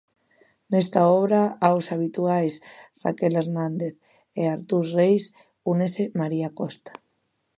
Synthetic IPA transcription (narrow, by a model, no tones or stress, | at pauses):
nest̪aɔβɾaaosaβ̞it̪uajsra̰keleɾnãnd̪eθ | eaɾt̪uɾrejs | unesemaɾiakost̪ḁ